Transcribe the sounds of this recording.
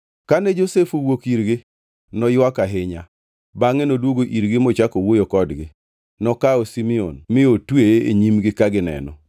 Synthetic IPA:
kanɛd͡ʒosefuwokiɾɡɪ | nɔjwakaɦɪɲa | baŋenodwoɡoʔiɾɡɪmɔt͡ʃakowojokɔdɡɪ | nɔkaosimio̰nmɪotweḛɲimɡɪkaɡɪnɛ̰nɔ̰

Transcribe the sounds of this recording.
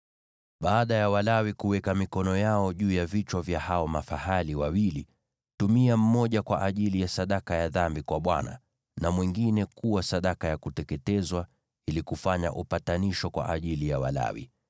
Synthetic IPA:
ɓaːɗajawalawikuwɛkamikɔnɔjaɔʄuːjavit͡ʃwavjahaɔmafahaliwawili | tumiam̩mɔʄakwaʔaʄilijasaɗakajaðambikwaɓwa̰na̰ | namwiŋɡinɛkuwasaɗakajakutɛkɛtɛzwa | ilikufaɲa̰ʔupataniʃɔkwa̰ʔaʄilijawa̰la̰wḭ

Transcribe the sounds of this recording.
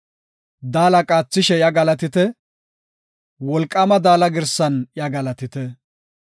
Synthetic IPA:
d̪aːlɐkʼaːt͡sːɪʃɛjɐɡɐlɐt̪ɪt̪ɛ | wɔlkʼːɐmɐd̪aːlɐɡɪɾsɐnjɐɡɐlɐt̪ɪt̪ɛ

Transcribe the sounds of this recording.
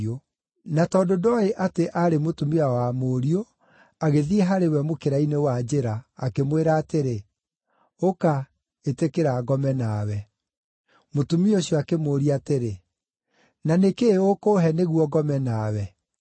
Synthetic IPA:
o | natɔːdodɔeʔateʔaɾemotumiaɔwamoːɾio | aɣeðieɦaɾewɛmokeɾainewad͡ʑeɾaːkemweɾaːteɾe | oka | etekeɾaɡɔmɛnawɛ | motumioɕjɔakemoːɾiateɾe | nanekeokoːɦɛneɣwɔɡɔmɛnaːwɛ

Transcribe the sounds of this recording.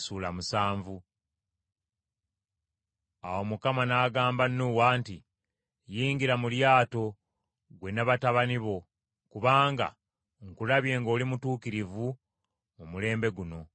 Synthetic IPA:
suːlamusaːɱvu | awo̞mukamanaːɡaːmbanːuwaːnti | jiːŋɡiɾamuljaːto̞ | ɡwe̞naβataβaniβo̞ | kuβaːŋɡa̰ | ŋkulaβje̞ːŋɡo̞ːlimutuːkiɾivu | mumule̞ːmbe̞ɡuno̞

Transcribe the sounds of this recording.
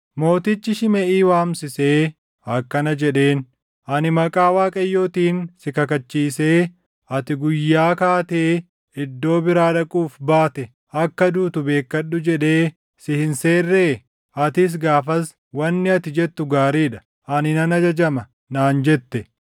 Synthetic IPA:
mo̞ːt̪ɪt͡ʃːɪʃɪmɛʔiːwaːmsɪseː | ɐkːɐnɐd͡ʒɛᶑe̞ːn | ʔɐnɪmɐkʼaːwaːkʼɐjːo̞ːt̪iːnsɪkɐkɐt͡ʃːiːse̞ː | ɐt̪ɪɡʊjːaːkaːt̪eː | ɪd̪ːo̞ːbɪɾaːᶑɐkʼuːfbaːt̪ɛ | ɐkːɐd̪uːt̪ʊbe̞ːkːɐɗːʊd͡ʒɛᶑe̞ː | sɪhɪnse̞ːrːe̞ː | ɐt̪ɪs̬ɡaːfɐs | wɐnːɪɐt̪ɪd͡ʒɛt̪ːʊɡaːɾiːᶑɐ̥ | ɐnɪnɐnɐd͡ʒɐd͡ʒɐmɐ | naːnd͡ʒɛt̪ːɛ

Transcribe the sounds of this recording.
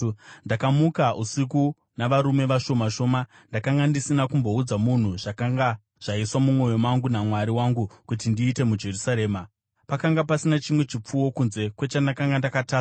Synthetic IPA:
ndakamukaʔusiku | naʋaɾume̞ʋaʃo̞maʃo̞ːma | ndakaŋɡandisinakumbo̞ud͡zamun̤uʐ̥akaŋɡa | ʐ̥aiswamumo̞jomaŋɡunamwaɾiwaŋɡukutindiːte̞mud͡ʒe̞rusaɾeːma | pakaŋɡapasinat͡ʃimwe̞t͡ʃip͡fuwo̞kunze̞kwe̞t͡ʃandakaŋɡandakataː

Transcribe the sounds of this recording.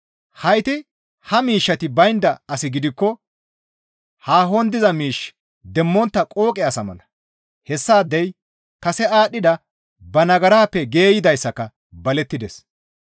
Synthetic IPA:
hɐjt̪ɪ | hɐmiːʃːɐt̪ɪbɐjnd̪ɐɐsɪɡɪd̪ɪkːɔ | haːɦɔnd̪ɪzɐmiːʃ | d̪ɛmːɔnt̪ːɐkʼo̞ːkʼɛɐsɐmɐ̰lɐ | hɛsːaːd̪ːɛj | kɐsɛaːɗɪd̪ɐ | bɐnɐɡɐɾaːpːɛɡe̞ːjɪd̪ɐjsːɐkːɐ | bɐlɛt̪ːɪd̪ɛs

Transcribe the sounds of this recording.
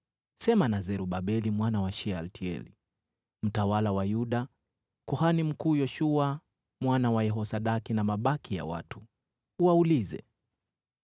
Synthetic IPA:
sɛmanazɛɾuɓaɓɛlimwanawaʃɛaltʰiɛ̰lḭ | m̩tawalawajuɗa | kuhanim̩kuːjɔʃua | mwanawajɛɦɔsaɗakinamaɓakija̰wa̰tu̥ː | waulizɛ̰

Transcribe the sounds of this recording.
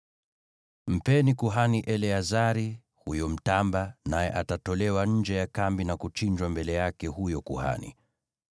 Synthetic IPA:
m̩pɛnikuɦaniʔɛlɛazaɾi | hujɔm̩tambanajɛʔatatɔlɛwaɲ̩d͡ʒɛjakambinakut͡ʃind͡ʒwambɛlɛjakɛhujɔkuha̰nḭ

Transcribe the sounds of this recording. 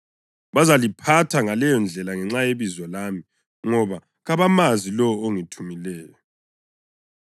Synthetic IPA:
βazalipʰatʰaŋalɛjɔnd͡ɮʱɛlaŋɛŋ͡ǁajeβizwɔlami | ŋɔβa | ɣaβamazilɔoŋitʰumilɛːjɔ

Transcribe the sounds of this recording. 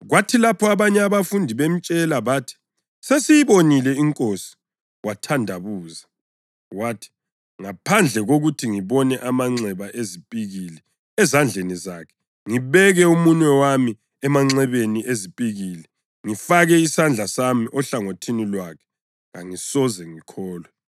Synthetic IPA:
ɣwatʰilapʰɔaβaɲɛaβafundʱiβem̩t͡ʃʼɛlaβaːtʰi̥ | sesijiβonilɛiŋkʼosi̥ | watʰandʱaβuːza | watʰi̥ | ŋapʰand͡ɮʱɛɣoɣutʰiŋiβɔnɛʔamaŋ͡ǀɛβaʔezipʼiɣilɛ | ɛzand͡ɮʱenizaːkʰɛ̥ | ŋiβɛɣɛumuɲwɛwami | ɛmaŋ͡ǀɛβeniʔezipʼiɣilɛ | ŋifaɣɛisand͡ɮʱasamiʔɔɬaŋotʰinilwakʰɛ̥ | ŋaŋisɔzɛŋikʰɔːlwɛ

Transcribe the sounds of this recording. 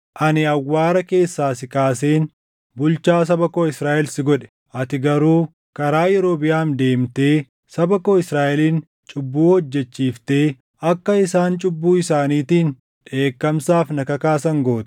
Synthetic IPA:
ʔɐnɪɐwːaːɾɐke̞ːsːaːsɪkaːseːn | bʊlt͡ʃaːs̬ɐbɐkoːɪsɾaːʔɛlsɪɡɔᶑɛ̥ | ʔɐt̪ɪɡɐɾuː | kɐɾaːjɛɾo̞ːbɪjaːnd̪e̞ːmt̪e̞ː | sɐbɐkoːɪsɾaːʔɛliːn | t͡ʃʼʊbːuːhɔd͡ʒːɛt͡ʃːiːft̪e̞ː | ɐkːɐɪsaːnt͡ʃʼʊbːuːɪsaːniːt̪iːn | ᶑe̞ːkːɐmsaːfnɐkɐkaːs̬ɐŋɡo̞ːt̪

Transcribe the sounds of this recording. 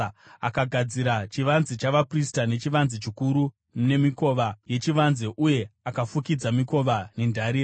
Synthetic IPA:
a̰kaɡʱad͡ziɾat͡ʃiʋanzet͡ʃaʋapristane̞t͡ʃiʋanzet͡ʃikuɾu | mne̞miko̞ʋaje̞t͡ʃiʋanzeʔuje̞akafukid͡zamiko̞ʋane̞ndʱaɾi

